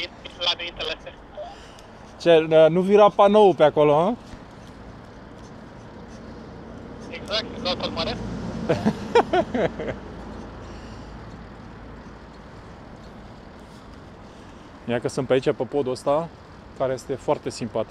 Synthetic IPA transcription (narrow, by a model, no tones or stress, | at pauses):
iilad̪eint̪elese | t͡ʃeənuviɾapanowupeakoloa | eɡzak̚t̪not̪ot̪maɾe | jakəsɨnt̪peait͡ʃʲapəpod̪uəst̪a | kaɾeje̞st̪e̞foart̪e̞simpat̪ik